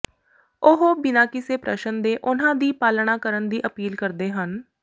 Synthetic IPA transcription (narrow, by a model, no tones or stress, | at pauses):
ʊɦobɪnaːkiseːpɾə̰ʃənd̪eːʔʊnãːd̪iːpaːlɽãːkəɾənd̪iːʔəpiːlkəɾd̪eːɦən